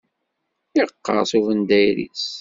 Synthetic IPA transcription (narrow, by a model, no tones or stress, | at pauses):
iqːɑ̰ɾsuvənd̪æjɾḭs